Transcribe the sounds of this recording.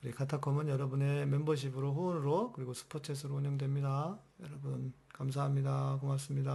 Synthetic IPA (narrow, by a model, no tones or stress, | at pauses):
kɯɾikʰatʰakʰomɯnjʌɾʌbɯne̞membʌɕ̬ʰibɯɾoɸuːnɯɾokɯɾiɡosʰɯ̥pʰot͡ɕʰes̬ʰɯɾouɲʌŋdwe̞mɲida | jʌɾʌbunkams̬ʰaɦamɲidakomas͈ɯmɲida